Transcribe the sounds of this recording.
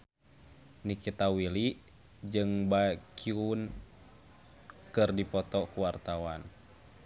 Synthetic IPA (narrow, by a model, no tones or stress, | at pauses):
nikit̪awiliʔ | d͡ʒɨŋbaɛkiun | kɨrdipɔt̪ɔkuwart̪awan